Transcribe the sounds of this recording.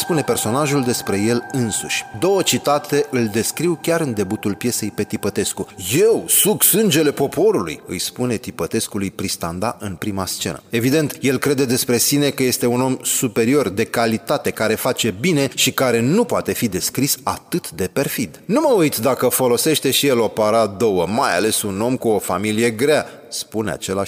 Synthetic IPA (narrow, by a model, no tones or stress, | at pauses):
spune̞pe̞rso̞naʒuld̪e̞spɾe̞je̞lɨnsuʃʲd̪o̞wət͡ʃit̪at̪e̞ʔɨld̪e̞skɾiwkʲaɾɨnd̪e̞but̪ulpje̞se̞jpe̞t̪ipət̪e̞skuje̞wsuɡsɨnd͡ʒe̞le̞po̞po̞ɾulṵjɨ̰jspune̞t̪ipət̪e̞skulujpɾist̪and̪aʔɨnpɾimast͡ʃe̞̰nə̰e̞vid̪e̞nt̪je̞lkɾe̞d̪e̞d̪e̞spɾe̞sine̞kəje̞st̪e̞uno̞msupe̞ɾio̞rd̪e̞kalit̪at̪e̞kaɾe̞fat͡ʃe̞bine̞ʃikaɾe̞nupoat̪e̞fid̪e̞skɾisa̰t̪ɨt̪d̪e̞pe̞rfid̪numəujt̪d̪akəfo̞lo̞se̞ʃt̪e̞ʃije̞lo̞paɾad̪o̞wəmaja̰le̞suno̞mkuo̞familije̞ɡɾea | spune̞a̰t͡ʃe̞laʃ